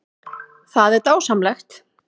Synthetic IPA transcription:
θaðɛɾt̪aːwsamlɛxt̪

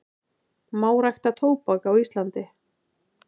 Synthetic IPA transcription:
maːwɾajxt̪at̪ʰoːwpakawist̪lant̪ɪ

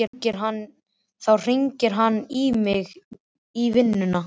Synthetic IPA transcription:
ɪcɪɾ̥ɦanː | θawr̥iɲcɪɾ̥ɦanːimɪɣ | ivɪnːʏna

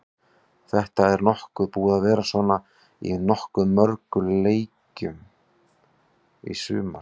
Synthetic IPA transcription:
θɛht̪aɛɾnɔhkʏðpuːðaðvɛːɾasvɔːna | ḭnɔhkʏːœɾkʏleːjcʏm | ḭsʏ̰ːma

